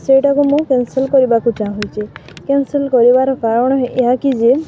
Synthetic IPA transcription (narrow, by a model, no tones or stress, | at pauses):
sejʈakumũkensilkɔɾibakud͡ʒãɦojt͡ʃʰikensilkɔɾibaɾɔkaɾɔɽ̃ɔɦeʔeɦakid͡ʒe